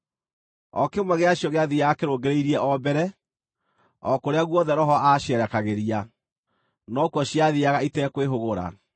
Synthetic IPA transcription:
ɔkemwɛɣeaɕjɔɣeaðiaɣakeɾoːɡeɾeiɾiɛʔɔbɛɾɛ | ɔkoɾeaɣwɔðɛɾɔɦɔʔaʃɛɾɛkaɣeɾia | nɔkwɔɕiaðiaɣaitɛkweɦoɣoɾa̰

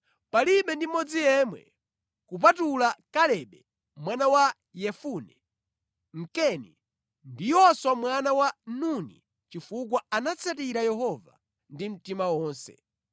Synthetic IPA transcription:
paliɓɛndimɔd͡zijɛmwɛ̰ | kup̬atulakalɛɓɛ | mwanawa | jɛfunɛ | ŋ̩kɛnḭ | ndijɔswamwanawanunḭ | t͡ʃifuk̬waanat͡sʰatiɾajɛɦɔva̰ | ndim̩timawɔːnsɛ̰

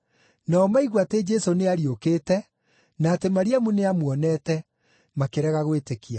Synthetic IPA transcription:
naɔmaiɣwated͡ʒɛsoneaɾiokeːtɛ | naːtemaɾiamuneamwɔnɛːtɛ | makeɾɛɣaɣwetekia

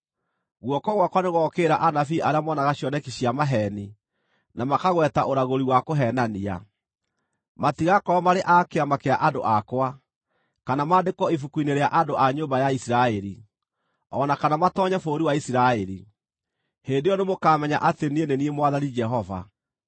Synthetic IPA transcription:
ɣwɔkɔɣwakwaneɣɔkeːɾaʔanafiʔaɾeamɔnaɣaɕjɔnɛkiɕiamaɦɛni | namakaɣwɛtaʔoɾaɣoɾiwakoɦɛnania̰ | matiɣakɔmaɾeʔakeamakeaʔando̰ʔakwa | kanamaːdekɔifukuineɾeaʔadoʔaɲombajaisiɾaɛɾi | ɔnakanamatɔɲɛfoːɾiwaisiɾaɛɾi | heːndejɔnemokaːmɛɲa̰ʔatenieneniemwaðanid͡ʒɛɦɔva̰

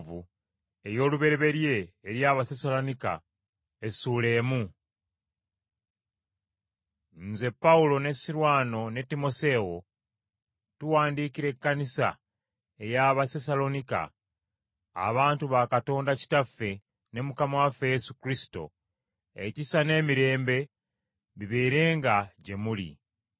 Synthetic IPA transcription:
vu | e̞jo̞ːluβe̞ɾeβe̞ɾje̞ːɾjaβasesalo̞nika̰ | esuːle̞ːmu | n̩ze̞pːaulo̞ne̞siɾwaːno̞ne̞tːimo̞se̞wo̞ | tuwaːndikiɾe̞kːanisa̰ | e̞jaβaθes̬alo̞nika̰ | βaːntuβakato̞ːndaci̥tafːe̞ | ne̞mukamawafeje̞sukɾisi̥to̞̰ | ecisane̞ːmiɾe̞ːmbe̞ | βiβeːɾe̞ːŋɡaɟe̞mulḭ

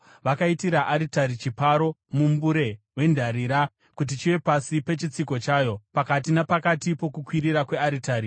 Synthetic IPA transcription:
ʋakaitiɾaʔaɾitaɾit͡ʃipaɾo̞mumbuɾe̞ | we̞ndʱaɾiɾa | kut̬it͡ʃiʋe̞pasipe̞t͡ʃit͡siko̞t͡ʃaːjo̞pakat̬inapakatipo̞kukwiɾiɾakwe̞aɾitaːɾi

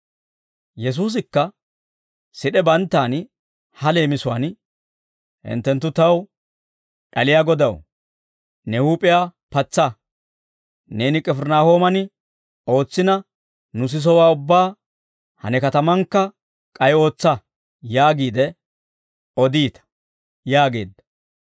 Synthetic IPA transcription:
jɛs̬uːs̬ɪkːɐ | sɪɗɛbɐnt̪ːaːn | hɐle̞ːmɪsʊwa̰ːn | hɪ̰nt̪ːɛnt̪̬ːʊt̪ɐw | ɗɐlɪjaːɡɔd̪ɐw | nɛhuːpʼɪjaː | pɐt͡sːɐ | ne̞ːnɪkʼɛfɛɾnaːho̞ːmɐnɪ | o̞ːt͡sːɪnɐ | nʊs̬ɪs̬ɔwaːʊbːaː | hɐ̰nɛkɐt̪ɐmɐŋkːɐ | kʼɐjo̞ːt͡sːɐ | jaːɡiːd̪ɛ | ɔd̪iːt̪ɐ̥ | jaːɡe̞ːd̪ːɐ̥

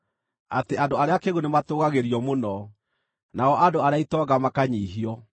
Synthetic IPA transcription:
ateandoaɾeakeɣonematoɣaɣeɾiɔmonɔ | naɔʔadoaɾeaitɔɡamakaɲiːɦiɔ

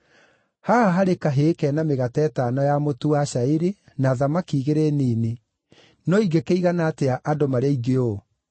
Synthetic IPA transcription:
haaɦaɾekaɦekɛnameɣatɛːtanɔjamotuaɕaiɾe | naðamakiːɣeɾeniːne | nɔiɡekeiɣanaːteaʔadomaɾaiɡeo

